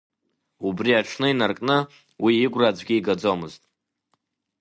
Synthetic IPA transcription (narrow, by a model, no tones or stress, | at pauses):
ubriaʈ͡ʂʰnɨinarkʼnɨ | wiːɡʷrad͡zʷɡʲiiɡad͡zomɨztʼ